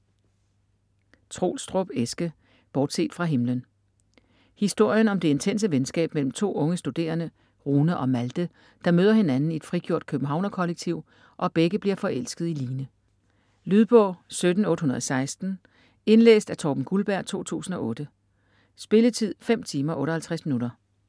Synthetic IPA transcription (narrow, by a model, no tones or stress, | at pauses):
t͡sʰʁo̝̰ːlsd̥ʁɔb̥esɡ̥ə | b̥ɒːd̥se̝̰ːd̥fʁɑ̈ɦe̝mlən | hisd̥o̝ɐ̰jənɒ̽md̥e̝e̝nt͡sʰen̰səʋensɡ̥ɛ̰ːb̥mel̰m̩t͡sʰo̝̰ːɔ̽ŋəsd̥ud̥e̝̰ːɐnə | ʁuːnəʔɒ̽mæld̥ə | d̥ɑ̈møːðˠɐhe̝nænn̩ied̥fʁiɡ̥jo̝ɐ̰d̥̚kʰøb̥n̩ɦɑ̈ʊ̰nɐkʰɒ̽leɡ̥̚t͡sʰiʊ̰ | ʔɒ̽b̥eɡ̥əbliɐfɒ̽ʔel̰sɡ̥əð̞̩ˠiliːnə | lyðˠb̥ɔ̰ːsød̥n̩ɔ̽ːd̥əɦunɐðˠɒsɑ̈ɪsd̥n̩ | e̝nlḛːsd̥æt͡sʰɒːb̥n̩ɡ̥ulb̥æɐ̰t͡sʰo̝̰ːt͡sʰṵːsn̩ɒ̽ɔ̽ːd̥ə | sb̥e̝lət͡sʰið̰ˠfem̰t͡sʰiːmɐʔɔ̽ːɾɒ̽hælt͡sʰʁæsminuɾɐ